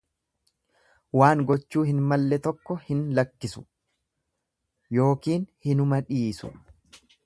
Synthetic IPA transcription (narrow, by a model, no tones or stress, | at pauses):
waːŋɡɔt͡ʃːuːhɪnmɐlːɛt̪ɔkːɔhɪnlɐkːɪsʊ̥ | jo̞ːkiːnhɪnʊmɐᶑiːsʊ̰